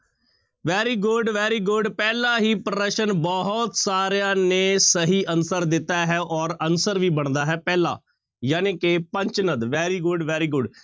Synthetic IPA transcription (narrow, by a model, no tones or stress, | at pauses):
ʋɛːɾiːɡʊɖʋɛːɾiːɡʊɖpɛːlãːɦiːpɾəɾəʃənbɔɦɔt̪saːɾejãːneːsəɦiːʔənsəɾd̪ɪt̪ːaːɦɛːʔɔːɾənsəɾʋiːbəɳ̃d̪aːɦɛːpɛːla̰ː | jaːneːkɪpəɲt͡ʃnəd̪ʋɛːɾiːɡʊɖʋɛːɾiːɡʊɖ